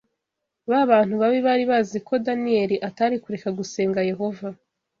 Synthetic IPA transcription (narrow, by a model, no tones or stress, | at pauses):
βaβaːn̥huβaβiβaɾiβaziko̞danie̞ɾiʔataɾikuɾe̞kaɡuse̞ːŋɡaje̞ɦo̞va